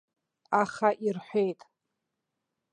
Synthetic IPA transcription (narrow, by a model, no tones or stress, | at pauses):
aχaʔirħʷejtʼ